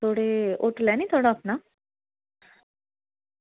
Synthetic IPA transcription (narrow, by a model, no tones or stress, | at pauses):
t̪ʰoɽeoʈlanit̪ʰoɽaːpna